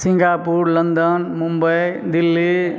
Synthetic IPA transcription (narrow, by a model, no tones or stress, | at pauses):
sĩŋɡapuɾlənd̪ənmumbəjd̪ilːi